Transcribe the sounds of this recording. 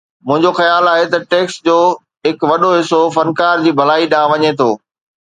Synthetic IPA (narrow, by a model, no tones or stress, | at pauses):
mʊ̃ɦɪ̃ɲd͡ʑoxɐjaːlaːɦet̪ɐʈeːksd͡ʑoː | ɦɪkʋɐɗoɦɪsofɐnkaːɾd͡ʑiːbʱɐlaːiɗãːʋɐɲet̪ʰo̰ː